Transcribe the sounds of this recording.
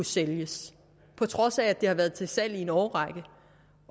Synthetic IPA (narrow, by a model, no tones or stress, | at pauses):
useljəs | pʰɒ̽t͡sʰʁɒ̽sæːd̥e̝hɑ̈ʋæɐðˠt͡sʰe̝lsæl̰ie̝nɒːʁɑ̈ɡ̥ə